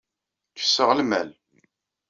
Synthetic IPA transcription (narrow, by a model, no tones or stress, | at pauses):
kə̥sːəʁlmæl